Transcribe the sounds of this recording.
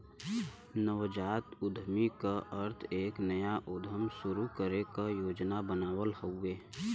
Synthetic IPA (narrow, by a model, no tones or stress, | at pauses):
nəʋd͡ʒaːt̪ʊd̪ʱmikaʔəɾt̪ʰeːknəjaʔʊd̪ʱəmsʊɾukəɾekajoːd͡ʒnabənaːwəlhoʊeː